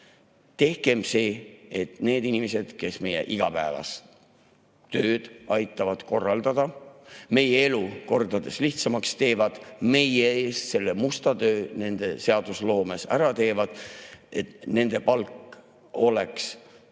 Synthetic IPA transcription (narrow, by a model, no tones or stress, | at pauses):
t̪e̞hke̞mse̞ːet̪ne̞ːd̪inʲimese̞d̪̥ke̞sme̞je̞̰ʔiɡ̥ɑpæevɑ̰s | t̪ø̞ːd̪̥ɑjt̪ːˑɑvɑd̪̥ko̞rːɑld̪̥ɑd̪̥ɑme̞jee̞luko̞rd̪ɑd̪̥e̞sliht̪sɑmɑkst̪e̞ːvɑd̪̥me̞jeeːst̪se̞lːemust̪ɑt̪ø̞ːne̞nd̪̥e̞se̞ɑd̪̥uslo̞ːmesæɾɑt̪e̞ːvɑd̪̥ʔe̞t̪ne̞nd̪̥e̞pɑlkːˑ | o̞le̞ks